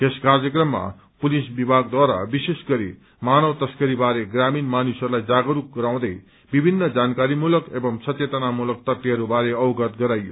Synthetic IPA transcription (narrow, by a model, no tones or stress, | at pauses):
t̪eskard͡zjʌkrʌmːa̰ | pulisbibʱaɡ̚d̪waɾa̰bisesɡʌɾḭ | manʌwt̪ʌskʌɾibaɾeɡraminmanusʌɾulajd͡zaɡʌɾuk̚ɡʌɾaw̃d̪ʌj | bibʱinːʌd͡zankaɾimulʌkebʌmsʌtet̪ʌnamulʌk̚t̪ʌt̪ːiɦʌɾubaɾeʌwɡʌt̪ɡʌɾajːo̰